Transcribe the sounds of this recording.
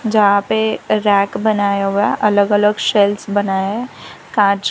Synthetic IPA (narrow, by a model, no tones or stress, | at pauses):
d͡ʒɐɦãpeɾɛːkbɐnaːjaɦuaʔɐləɡɐləɡʃɛlsbɐnaːjaɦɛ | kaːɾd͡ʒ